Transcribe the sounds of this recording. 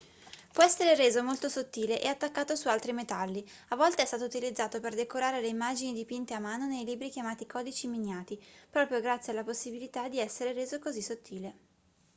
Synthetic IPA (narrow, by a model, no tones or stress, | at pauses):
pwɔɛsːeɾeɾeːzomolt̪osot̪ːiːleʔeat̪ːakːaːt̪osualt̪ɾimet̪alːi | avːɔlt̪eɛst̪aːt̪out̪ilid̪zːaːt̪operd̪ekoɾaːɾeleimːaːd͡ʒinid̪ipint̪eamːaːnonejliːbɾikjamaːt̪ikɔːd̪it͡ʃimiɲːaːt̪ipɾɔːpɾjoɡɾat̪sːjealːaposːibilit̪ad̪iɛsːeɾeɾeːzokozisːot̪ʰːiːle